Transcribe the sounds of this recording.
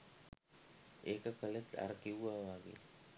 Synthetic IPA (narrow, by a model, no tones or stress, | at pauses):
eːkəkəlet̪a̰ɾəkiwuʋaːʋaːɡḛ